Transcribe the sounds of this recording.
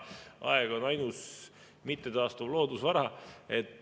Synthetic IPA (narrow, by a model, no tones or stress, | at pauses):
ɑ̰ɛɡ̥o̞nɑjnus | mit̪ːe̞t̪ɑːst̪uvlo̞ːd̪usvɑɾɑe̞t̪ːˑ